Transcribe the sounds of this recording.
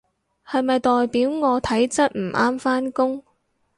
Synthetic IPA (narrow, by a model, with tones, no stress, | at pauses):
hɐ˨jmɐ˨jt̪ɔː˨jpiː˨˥wŋɔː˨˧t̪ʰɐ˨˥jt͡sɐ˥t̚m̩˨˩ʔaː˥mfaː˥nkʊ˥ŋ